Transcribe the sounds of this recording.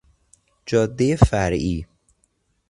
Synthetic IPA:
d͡ʒɒːd̪ːejefæɾiː

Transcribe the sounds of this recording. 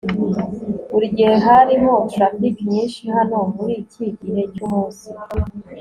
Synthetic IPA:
uɾiɟiheɦaɾiɦofamdikimɲiːnʃihano̞muɾiciɟihe̞cumuːnsi

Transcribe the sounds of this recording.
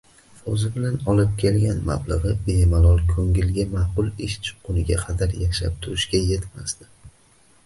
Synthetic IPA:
ozɪbɪlanɒlˠɪp̚kʲʰe̞lɡʲanma̰blˠɑʁɨbe̞malˠɒlˠkʲʰɵŋɡʲɪlɡʲamaqʊlˠɪʃt͡ʃʰʊ̥qːʊnɪɡʲaqʰɑd̪aɾjaʃa̰p̚t̪ʰʊɾɪʃɡʲaje̞t̪masd̪ɪ

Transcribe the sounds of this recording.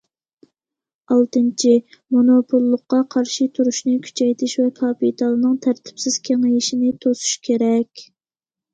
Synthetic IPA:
ɑlˠt̪ɨnt͡ʃʰimonopʰulˠːʊqːɑqʰɑɾʃit̪ʰuɾuʃnɨkʲʰy̥t͡ʃʰɛjt̪ʰɪʃvɛkʰɑpit̪ʰɑlˠɨnɨŋt̪ʰæɾt̪ʰɪ̥psɪz̥kʲʰeŋjiʃinɪt̪ʰosu̥ʃkʲʰeɾɛkʲ

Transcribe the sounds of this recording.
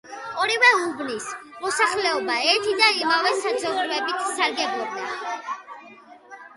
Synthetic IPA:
ɔɾivɛubnismɔsaχlɛɔbaɛɾt̪ʰid̪aimavɛsad̪zɔɡvɛbit̪ʰsaɾɡɛbɔd̚d̪a

